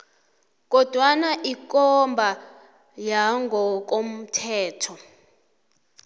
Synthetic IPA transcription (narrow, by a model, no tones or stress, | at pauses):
k̬ʼɔd̥ʱwanaʔik̬ʼɔmbʱa | jaŋɡʱɔk̬ʼom̩tʰɛːtʰɔ